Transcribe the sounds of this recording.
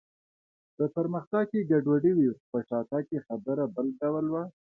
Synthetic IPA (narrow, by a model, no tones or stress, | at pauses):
d̪̥əpəɾməxt̪aɡ̚keɡaɖwaɖiwipəʂɑt̪ɑkexad̪aɾabəlɖawəlwa